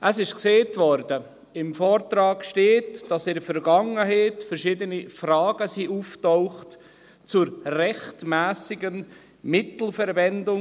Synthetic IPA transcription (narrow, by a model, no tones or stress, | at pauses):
ʔəsɪʃkseːtʋɔɾdə | ɪmfɔːrtrɑːɡʃteːtd̥ɑsɪdəfɛɾɡɑŋəɦɛɪtfɛɾʃɪdənifrɑːɡ̥əsiʔuftɔʊχt | t͡sʊɾrɛxtmæːsɪɡən | mɪtl̩fɛɾvɛndʊ